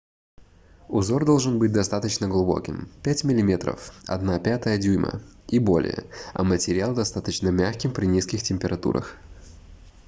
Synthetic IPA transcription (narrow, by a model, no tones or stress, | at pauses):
ʊzo̞rd̪o̞lˠʐɨnbɨt̚ʲd̪ɐst̪at̪ət͡ɕnəɡlˠʊbo̞̰kʲɪmpʲætʲmʲɪlʲɪmʲe̞t̪ɾə̰fɐ̰d̪napʲat̪əjədʲujmə̰ibo̞lʲɪ̰jə̰ɐ̰mətʲɪɾʲɪalˠd̪ɐst̪at̪ət͡ɕnəmʲaxkʲɪmpɾʲɪnʲiskʲɪxtʲɪmʲpʲɪɾʔɐt̪ṵɾə̰x